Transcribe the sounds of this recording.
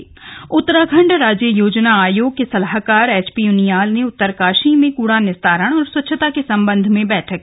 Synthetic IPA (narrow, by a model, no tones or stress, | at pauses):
ʊt̪ːəɾaɡʰʱə̃ɳɖɾaːd͡ʒjəjoːd͡ʒnaaːjoːɡ̚kesɐlaɦkaːɾɛːt͡ʃpijunijaːlneʊt̪ːəɾkaːʃimẽkuːɽanɪst̪aːɾəɽ̃ɔːɾswɐtːʃʰət̪akesɐ̃mbə̃nd̪ʱmẽbɛːʈʰəkː